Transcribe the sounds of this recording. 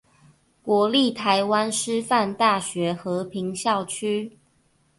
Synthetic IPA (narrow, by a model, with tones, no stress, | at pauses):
kwɔ˨˧˥li˥˨t̪ʰa˨˦ɪwa˦nʂɻ̩˥fa˥˨nt̪a˥˨˩ɕɥɛ˨˦xɤ˨˥pʰi˨˦ŋɕjɑ˥˨ʊt͡ɕʰy˥